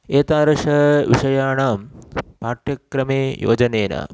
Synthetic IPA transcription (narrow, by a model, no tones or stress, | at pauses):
eːt̪aːɾɐʂɐʋiʂɐjaːɳaːmpaːʈjɐkɾɐmeːjo̰ːd͡ʑɐneːna̰ː